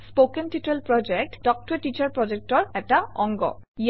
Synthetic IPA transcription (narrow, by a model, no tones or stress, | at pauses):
spokentitelpɹɔd͡ʒek̚ʈd̥ɔk̚tɔɹeʈit͡ɕaɹpɹɔd͡ʒek̚tɔɹɛtaɔŋɡɔ̰i